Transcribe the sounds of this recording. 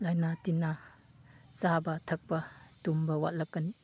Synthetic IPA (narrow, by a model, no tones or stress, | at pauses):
lajnatina | sabɐt̪ʰɐk̚pɐtumbɐwa̰ʔlɐkɐn